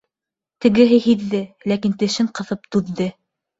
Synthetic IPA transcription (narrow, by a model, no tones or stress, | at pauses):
t̪ɘ̆ɡɘ̆ɦɘhiðːɘlækint̪ɘ̆ʃɘɴqɤ̆ðɤp̚t̪ʉðːɘ